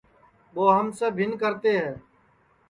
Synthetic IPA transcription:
ɓoːɦəmsəbʱɦɪnkəɾt̪eːɦɛː

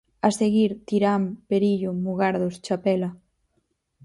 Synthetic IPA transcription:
ɐseɣiɾt̪iɾampeɾiʎʊmuɣaɾðost͡ʃapɛlɐ

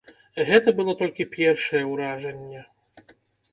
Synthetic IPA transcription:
ɣɛt̪ɐbɨlˠɔt̪ɔlʲkʲipʲjɛrʂɐjɛwɾaʐɐnʲːɛ

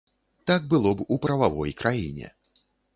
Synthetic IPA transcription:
t̪aɡ̚bɨlˠɔbupɾɐvavɔjkɾʔajḭnʲɛ̰

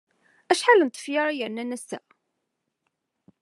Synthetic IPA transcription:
æʃħalənt̪ə̥fjaɾˤajəʕnːænæsːæ̰

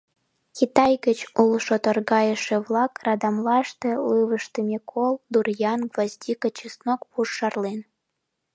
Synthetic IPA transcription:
xʲit̪ɑjɡət͡ɕulˠʃot̪ərɣɑjəʃeβlˠɑkrɑd̪ɑmlɑʃt̪elɨβəʃt̪əmʲekʰold̪urjɑnɡvɑzʲd̪ʲikət͡ɕisnokpuʃːɑrlen

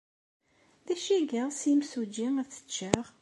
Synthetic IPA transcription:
ðæʃiɡəʁsimsud͡ʒiæθə̥t͡ʃːaʁ

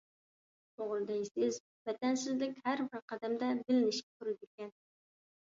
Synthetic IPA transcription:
oʁɨlˠd̪ajsɪz | vat̪ansɪzlɪkʲhaɾbɪɾqʰɑd̪amd̪abɪlɪnɪʃ̚ʲk̪ʰʊɾɪd̪ekʲɛn

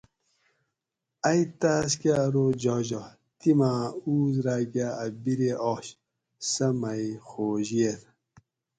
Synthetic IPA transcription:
ɐjt̪aːskaɾod͡ʑɔʑo | t̪imaːuːzɾaːɡaɐbiɾeʔɔɕ | sɐmɐjxoːʑiet̪

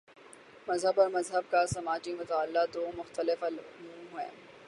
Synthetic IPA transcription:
mɐzɦəbɔːɾmɐzɦəb̚kasɐmaːd͡ʒimʊt̪aːlːad̪oːmʊxt̪əlɪflmũːɦɛ̰̃ː

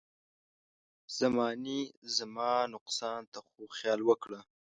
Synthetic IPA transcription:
z̥amɑnizamɑnʊqsɑnt̪axoxjɑlwəkɽə

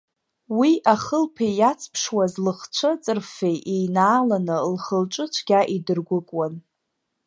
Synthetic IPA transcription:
wiʔaχəlpʰejat͡sʰpʰʂwazlɨχt͡ʃʷʰɨt͡sʼɨrfejʔejnaːlanɨlχəlʈ͡ʂʼɨt͡ʃʷʰɡ̥ʲaʔidɨrɡʷʊkʼwan

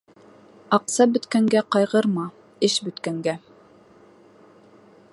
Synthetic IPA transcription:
ɑqsɑbɵ̆t̪kæŋɡæqɑjʁɤɾmɑ | ɘʃbɵ̆t̪kæŋɡæ

